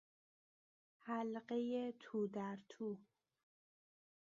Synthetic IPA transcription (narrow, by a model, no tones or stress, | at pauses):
hælɢejet̪ʰuːd̪æɾt̪ʰuː